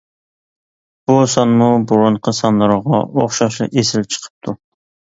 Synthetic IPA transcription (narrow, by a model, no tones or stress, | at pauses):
b̥usɑnmubuɾuɴqʰəsɑnlˠɨɾʁɑoχʃɑʃlˠɨ̰ʔesɪlt͡ʃʰə̥qʰə̥p̚t̪ʰu